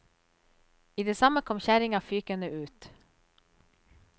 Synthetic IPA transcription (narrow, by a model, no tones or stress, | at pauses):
iːd̪eːsɑməkʰɔmçæɾɪŋɑːfyːkənəʔʉːt̪